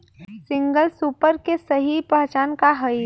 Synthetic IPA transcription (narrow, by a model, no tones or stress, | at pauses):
sɪ̃ŋɡəlsuːpəɾkesɐɦipɐɦt͡ʃaːnkaɦəi